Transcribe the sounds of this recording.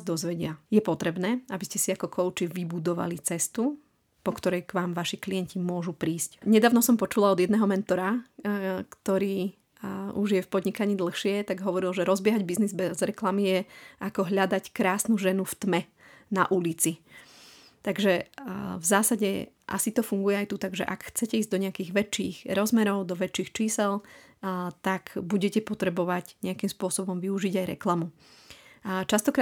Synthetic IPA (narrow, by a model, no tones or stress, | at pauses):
zd̪ɔzʋɛɟɪajɛpɔt̪ɾɛbnɛːabiscɛsiakɔkʰɔʊt͡ʃiʋibud̪ɔʋa̰lit͡sɛst̪u | pɔkt̪ɔɾɛjkʋaːmʋaʃikliɛncimʊɔʒupɾiːscɲɛd̪aːʊnɔsɔmpɔt͡ʃulaɔd̪ɪjɛd̪nɛɦɔmɛnt̪ɔɾa | kt̪ɔɾiː | uʒjɛfpɔd̪ɲikaɲiːd̪l̩ˠxʃɪɛt̪aɡɦɔʋɔɾilˠʒɛɾɔzbɪɛɦaɟbiznizbɛzɾɛklamijɛʔakɔɦʎad̪ackɾaːsnuʒɛnuft̪mɛ | naʔulit͡si | t̪aɡʒɛvzaːsaɟɛ̰ʔa̰sit̪ɔfuŋɡujɛajt̪ut̪aɡʒɛ̰ʔakxt͡sɛcɛiːzd̪ɔɲɛakiːɣʋɛt͡ʃːḭːɣɾɔzmɛɾɔʊd̪ɔʋɛt͡ʃːiːxt͡ʃiːsɛl | t̪aɡbuɟɛcɛpɔt̪ɾɛbɔʋaɟɲɛakimspʊɔsɔbɔmʋiuʒiɟajɾɛ̰klamu | t͡ʃast̪ɔkɾa